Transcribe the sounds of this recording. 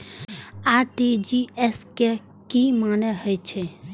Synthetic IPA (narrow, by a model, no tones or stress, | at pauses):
aːʈid͡ʒieske | kimaːneɦəjt͡ʃʰe